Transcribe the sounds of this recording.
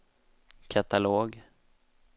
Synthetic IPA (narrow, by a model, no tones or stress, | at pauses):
kʰat̪aloːɡ